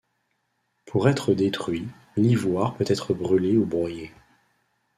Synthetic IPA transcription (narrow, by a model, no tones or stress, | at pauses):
pʰuʁɛt̪χəd̪et̪χɥi | livwaʁpøt̪ɛt̪χəbʁyleubʁwaje